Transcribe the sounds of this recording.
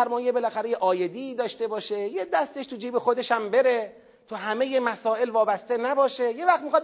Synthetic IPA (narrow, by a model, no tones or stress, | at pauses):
ɾmɒːjebe̞læxæɾejeʔɒːje̞d̪iːd̪ɒːʃt̪e̞bɒːʃejed̪æst̪e̞ʃt̪ʰud͡ʒiːbexo̞d̪e̞ʃæmbe̞ɾe̞ | t̪ʰuɦæme̞je̞mæsɒːʔe̞lvɒːbæst̪e̞næbɒːʃeje̞væxt̪mixɒd̪